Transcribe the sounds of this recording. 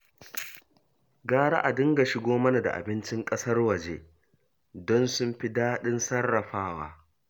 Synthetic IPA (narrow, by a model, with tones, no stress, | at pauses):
ɡaː˦ɽa̰˦ʔa˨dʊ˦ŋɡa˨ʃɪ˨ɡʷoː˦mɐ˦na˨da̰˨ʔa̰˨bɪ˦nt͡ʃɪ˦ŋkʼɐ˦sɐ˦rwɐ˨d͡ʒeː˦ | dɔ˦nsʊ˦mɸɪ˦daː˦ɗɪ˦nsɐ˦rːɐ˨ɸaː˦wa̰ː˦